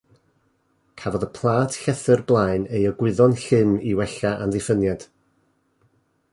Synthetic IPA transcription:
kʰavɔðəpʰlˠaːdɬɛθərblˠajnejɔɡwɪðɔnɬɪmiwɛɬaʔanðɪfənjad̥

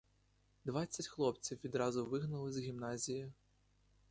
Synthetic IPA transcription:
d̪ʋɑt͡sʲːɐtʲxlˠɔpt͡sʲiwʋʲid̪ɾɑzʊʋɪɦnɐlˠɪzɣʲimnɑzʲijɪ

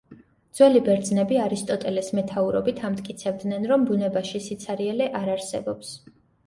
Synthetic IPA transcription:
d̪z̥wɛlibɛɾd̪znɛbiaɾist̪ʼɔt̪ʼɛlɛsmɛt̪ʰauɾɔbit̪ʰamt̪ʼkʼit̪sʰɛbd̪nɛnɾɔmbunɛbaʃisit̪sʰaɾiɛlɛʔaɾaɾsɛbɔps

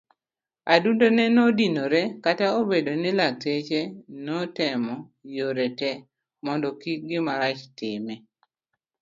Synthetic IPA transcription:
adundonɛnɔdinoɾɛkataobedonɪlak̚tet͡ʃenɔtɛmɔjoɾɛtɛ | mɔndɔkiɡɪmaɾat͡ʃtɪmɛ

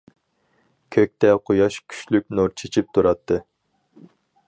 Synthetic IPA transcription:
kʲʰøk̚ʲt̪ɛqʰojɑʃkʲʰy̥ʃlykʲnuɾt͡ʃʰet͡ʃʰip̚t̪ʰuɾɑt̪ʰːɨ

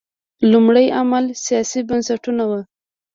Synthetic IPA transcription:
lʊmɽəjamalsijɑsibansaʈunawə

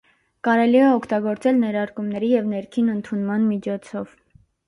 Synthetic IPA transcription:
kɑɾɛliɛɔkʰt̪ɑɡɔɾt͡sɛlnɛɾɑɾkumnɛɾijɛvnɛɾkʰinənt̪ʰunmɑnmit͡ʃʰɔt͡sʰɔv

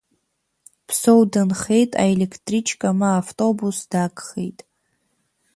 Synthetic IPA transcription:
pʰsowdɨnχe̞jtʼa̰elekʰtʼrit͡ʃʰkʼamaːftʼo̞busd̥akʼχḛjtʼ

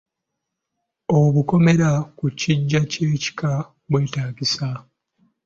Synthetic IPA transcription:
oβuko̞me̞ɾakuciɟːace̞ːci̥ka | βwe̞ːtaːɡisa

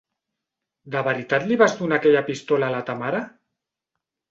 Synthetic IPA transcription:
d̪əβəɾit̪at̪liβazðunaːkɛʎapist̪olaːlat̪amaɾa

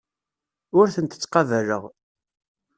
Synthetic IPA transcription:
ʊɾθənt̪ə̥t͡sːqɑvərə̰ʁ

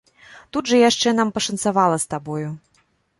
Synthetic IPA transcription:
t̪ud̪ʐɐjaʂt͡ʂɛnampɐʂɐnt̪savalˠɐst̪abɔju

